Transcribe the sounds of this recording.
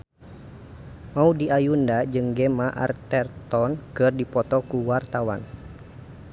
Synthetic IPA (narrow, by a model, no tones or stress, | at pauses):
maudiʔajundad͡ʒɨŋɡɛmaʔa̰rt̪ɛrt̪ɔnkɨrdipɔt̪ɔkuwart̪awa̰n